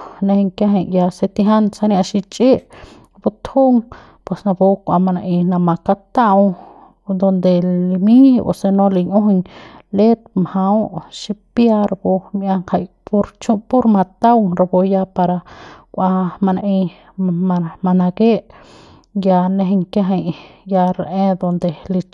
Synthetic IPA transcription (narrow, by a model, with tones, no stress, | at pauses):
nẽ˧he˧ŋkja˦ɦe˧ɲja˧se˧t̪i˧ɦa˦nsa˧nja˧ʃi˧t͡ʃʼi˦ʔ | bu˧t̪hu˦ŋ | pwe˨sna˧bo˧kʷa̰˧ma˧na˧ʔi˧na˧ma˧ka˧t̪a˦w | d̪o˧nd̪e˧li˧mĩ˦bo̰˧se˧nõ˧li˧ɲũ˦ɦɲle˦t̪̚mha˧˦wʃi˧pja˧ɾbu˧mjʔa˧ŋka˧jpu˦ɾt͡ʃu˦pu˦ɾma˧t̪a˦wŋɾa˧bo˧ja˧pa˧ɾa˧kʷʔa˧ma˧na˧ʔĩ˧ | a˧ma˧na˧ɡe˦ʔ | ja˧nẽ˧ɦe˧ŋkja˦ɦe˧jja˧ɾʔẽ˦d̪o˧nd̪e˨li˧